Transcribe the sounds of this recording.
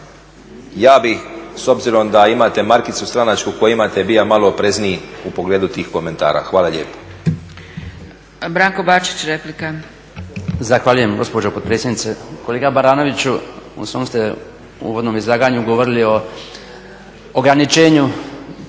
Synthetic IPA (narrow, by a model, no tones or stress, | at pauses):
jaːbixso̞bziɾo̞md̪aimat̪e̞maɾkit̪sust̪ɾanat͡ʃkukojimat̪ebiamaloːpɾe̞zniiupoɡle̞ːd̪ut̪iːxko̞me̞nt̪a̰ːɾa̰xʋaːlˠaʎḛːpo̥ | bɾaːŋkobat͡ʃi̥t͡ɕɾeplika | zaxʋaʎuje̞mɡo̞spod͡ʒopopɾetsʲjenit̪sekoleɡabaɾaːno̞ʋit͡ɕuṵsʋo̞ːmst̪e̞ | ṵːʋo̞d̪no̞ːmizlˠaːɡaːɲuɡoʋoɾilio̞ | oɡɾanit͡ʃe̞ːɲu